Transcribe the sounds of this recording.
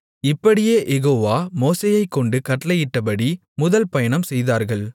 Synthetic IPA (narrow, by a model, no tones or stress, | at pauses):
ɪpːɐɽɪjeːʔɛɣoːʋaːmoːseːjɐɪkːɔɳɖɯkɐʈlɐjɪʈːɐpɐɽi | mʊðɐlpɐjɐɳɐmsɛjðaːɾɣɐɭ